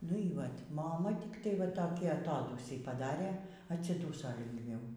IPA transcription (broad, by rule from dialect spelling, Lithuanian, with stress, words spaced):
nʊ iː ˈʋɐtʲ moːˈmɐ tʲɪkˈtɐɪ ʋɐ ˈtoːkʲiː ɐˈtoːduːsʲiː pɐˈdɑːrʲeː ɐtʲsʲɪˈduːsoː lʲɪŋɡˈʋʲɛʊ